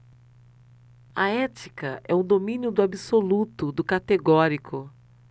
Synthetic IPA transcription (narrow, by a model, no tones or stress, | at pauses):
ɐɛt͡ʃikɐɛ̰ũd̪omĩnjʊd̪ʊabisolut̪ʊd̪ʊkat̪eɡɔɾikʰʊ